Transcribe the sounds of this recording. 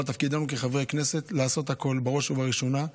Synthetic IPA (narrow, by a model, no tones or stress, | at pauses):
lt̪afkid̪anukeχavʁeakne̞se̞t̪laːso̞t̪hako̞lbeʁo̞ʃuvaʁiʃo̞na